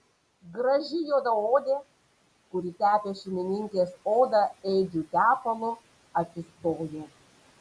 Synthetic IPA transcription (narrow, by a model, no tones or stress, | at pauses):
ɡɾɐʒʲɪjoːd̪ɐoːd̪ʲeː | kʊɾʲit̪ʲæːpʲeːʃʲɛmʲɪnʲɪŋʲkʲeːsoːd̪ɐɛɪd͡ʒʲut̪ʲæːpɐlˠʊ | ɐt̪sʲɪst̪oːjɛ